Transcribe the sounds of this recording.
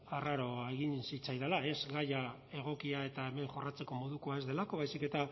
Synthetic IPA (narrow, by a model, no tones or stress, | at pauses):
araɾo̞eɣinsit͡sajðelae̞zɡaja | e̞ɣ̞o̞kiae̞t̪aeme̞ŋxo̞rat͡se̞ko̞mo̞ðuko̞ae̞zðe̞lako̞βajsike̞t̪a